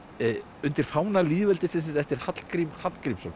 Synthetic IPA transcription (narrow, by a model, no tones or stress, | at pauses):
ʏnt̪ɪɾ̥faːwnaliːðvɛlt̪ɪsɪns̬ɪɾɛft̪ɪɾ̥hat̪l̥kɾimhat̪l̥kɾimsɔn